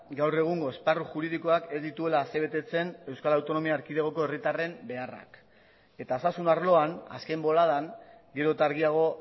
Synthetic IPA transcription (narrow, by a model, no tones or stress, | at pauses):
ɡawre̞ɣ̞uŋɡo̞e̞sparuʝuɾiðiko̞ake̞zd̪it̪ue̞laːseβ̞e̞t̪e̞t͡se̞ne̞wskalawt̪o̞no̞miaːɾkiðeɣoko̞e̞rit̪are̞mbe̞ara̰k | e̞t̪aːsasunaɾlo̞ana̰ske̞mbo̞laðaŋɡe̞ɾo̞t̪aːɾɣ̞iaɣ̞o̞